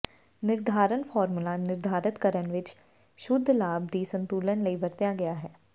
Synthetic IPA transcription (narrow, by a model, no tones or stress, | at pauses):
nɪɾd̪ʱaːɾənfʰɔːɾmulanɪɾd̪ʱaːɾət̪kəɾənʋɪt͡ʃ | ʃʊd̪ʱːlaːb̚d̪iːsə̃nt̪uːlənləibəɾt̪jaɡɐjaɦɛː